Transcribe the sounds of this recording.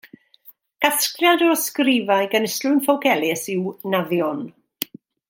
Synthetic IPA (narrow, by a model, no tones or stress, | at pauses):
ɡ̥askrjadɔskrɪvajɡənɪstlʊjnfɔwkʰɛlˠɪsɪwnaðjɔn